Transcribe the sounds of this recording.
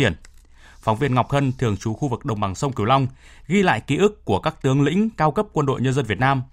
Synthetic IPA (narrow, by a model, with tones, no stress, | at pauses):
i˧˩ən | fa˨˦wŋ͡mvi˧ənŋa˨˩k͡p̚hə˧nt̪ʰɨ˨˩əŋt͡ɕu˨˦xu˧vɨ˨˩k̚ɗə˨˩wŋ͡mɓa˨˩ŋsə˧wŋ͡mki˧˩wla˧wŋ͡m | ɣi˧la̰ː˧˨jki˨˦ʔɨ˦˥kːu˧˩əkaː˦˥k̚t̪ɨ˨˦əŋlḭ̈˧˥ŋ̟kaː˧wkə˦˥p̚kwə˧nɗo̰˧˨jɲə˧nzə˧nvət̚naː˧m